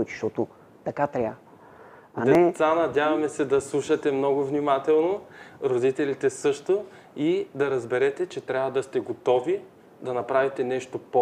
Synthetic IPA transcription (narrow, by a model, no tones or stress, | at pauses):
t͡ʃi̥ʃt̪ɔt̪o | t̪ɐkat̪ɾʲa | dɐnɛɛt̪sanɐd̪ʲavɐmɛsɛd̪ɐslˠuʃɐt̪ɛmnɔɡʊvnimat̪ɛlˠnoɾod̪it̪ɛlit̪ɛsɤʃt̪o | id̪ɐɾɐzbɛɾɛt̪ɛt͡ʃɛt̪ɾʲavɐd̪ɐst̪ɛɡot̪ɔvi | d̪ɐnɐpɾavit̪ɛnɛʃt̪opo